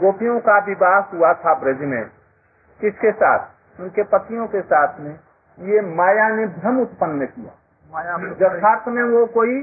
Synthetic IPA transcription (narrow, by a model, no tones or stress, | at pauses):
ɡoːpijõkabɪbaːsɦuat̪ʰabɾed͡ʒmḛ̃ː | kɪskesa̰ːt̪ʰ | ʊnkepət̪ijõkesaːt̪ʰmẽ | jemaːjanebʱɾəmʊt̪pənːəkija̰ | jd͡ʒəaːɾt̪ʰmẽʋokoːi